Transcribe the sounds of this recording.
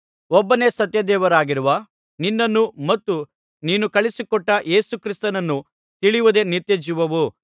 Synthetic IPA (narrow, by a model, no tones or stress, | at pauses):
ɔbːɐne̞sɐt̪jɐd̪ɛːʋɐɾaːɡiɾuʋɐ | ninːɐnːumɐt̪ːu | niːnukɐɭisikɔʈːɐʔe̞ːsukɾist̪ɐnɐnːu | t̪iɭijʋud̪e̞niɾt̪jed͡ʒiʋɐʋu